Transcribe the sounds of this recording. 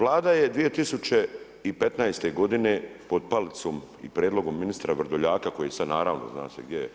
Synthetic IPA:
ʋlˠaːd̪ajed̪ʋije̞t̪isut͡ɕe̞ | ipe̞t̪najst̪e̞ɡo̞d̪ine̞pod̪̚palt̪som | ḭpɾjeːd̪lo̞ɡo̞mːinist̪ɾaʋr̩d̪oʎaːkako̞jesad̪naːɾaːʋno̰zna̰ːseɡd̪jeje

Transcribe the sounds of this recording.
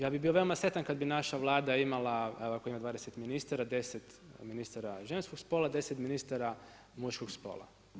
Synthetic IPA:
jaːbibiːoʋe̞omasɾe̞t̪ankad̪binaʃaʋlˠaːd̪aimalaeoakoimad̪ʋaːd̪eset̪minist̪aɾad̪e̞set̪ | minist̪aɾaʒenskoɡspoːlˠad̪e̞set̪minist̪aɾa | muʃkoɡspo̰ːla̰

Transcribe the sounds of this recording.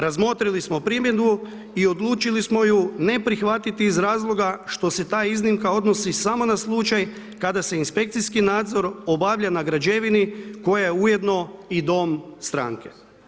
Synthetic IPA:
ɾazmo̞t̪ɾilismo̞pɾimje̞d̪u | io̞d̪lˠuːt͡ʃilismo̞june̞pɾixʋat̪it̪iːzɾaːzlˠo̞ɡaʃt̪o̞se̞t̪aːiznimkao̞d̪no̞sisamo̞naslˠut͡ʃaj | kad̪ase̞inspe̞k̚t̪sijskinaːd̪zo̞ɾo̞baʋʎanaɡɾad͡ʒe̞ʋiniko̞jejeuje̞d̪no̞id̪o̞mst̪ɾa̰ːŋke̞

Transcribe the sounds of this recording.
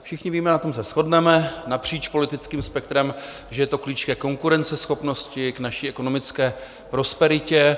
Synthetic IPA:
fʃɪxɲɪviːmɛnat̪oms̬ɛsxo̞dnɛmɛnapr̝̥iːt͡ʃpo̞lɪt̪ɪt͡skiːmspɛk̚t̪ɾɛm | ʒɛjɛt̪o̞kliːt͡ʃkɛːko̞ŋkuɾɛnt͡sɛsxo̞pno̞scɪknaʃiːɛko̞no̞mɪt͡skɛː | pɾo̞spɛɾɪcɛ

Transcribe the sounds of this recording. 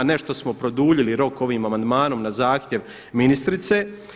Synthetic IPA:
ne̞ʃt̪o̞smopɾo̞d̪uːʎiliɾo̞ko̞ʋiːmamand̪maːno̞mnazaːxt̪ʲje̞ʋ | minist̪ɾit̪seː

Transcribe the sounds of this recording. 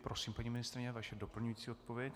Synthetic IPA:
pɾosiːmpaɲiːmɪnɪst̪ɾɪɲɛvaʃɛdopl̩ɲujit͡siːo̞t̪̚povjɛc

